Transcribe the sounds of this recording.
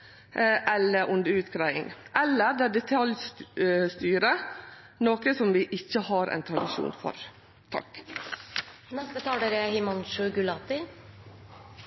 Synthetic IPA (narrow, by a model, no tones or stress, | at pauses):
ʔɛlːəɾʔʊnd̪əʉːt̪kʰɾæɪɪ̰ŋʔɛlːəɾd̪ɛæːɖɛt̪ʰɑljsst̪yːɾə | noːkəsɔmʋɪʔɪçːəhɑːɾʔæ̰ɪnt̪ʰɾɑd̪ɪʃṵːnfɔ̰ɾ | t̪ʰɑ̰k | nɛst̪ət̪ʰɑːɖ̪eɾɛhɪmɔnʃʉɡʉlɑp̪ɪ